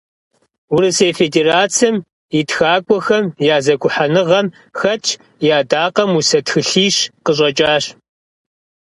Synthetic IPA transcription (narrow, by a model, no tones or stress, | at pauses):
ʊɾɨseːfedeːraːt͡sʰim | itxaːkʷʼɔxɐmjaːzɐɡʷʊħanɨʁɐm | xɐt͡ʃʰ | jaːdaːqɐmusɐtxɨɬiːɕqəɕ̬ʼɐt͡ʃʼaːɕ